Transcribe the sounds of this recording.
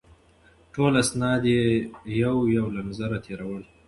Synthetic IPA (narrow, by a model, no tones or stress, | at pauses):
ʈolasnɑd̪jejawjawlanzaɾat̪ʰeɾawəl